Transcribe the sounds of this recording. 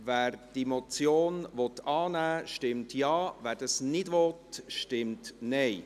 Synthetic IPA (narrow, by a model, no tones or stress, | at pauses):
ʋæːɾd̥imɔt͡sjoːnʋɔt̪ɑːnæːʃtɪmtjɑːʋæːd̥ɑsnɪdʋɔtʃtɪmtnɛɪ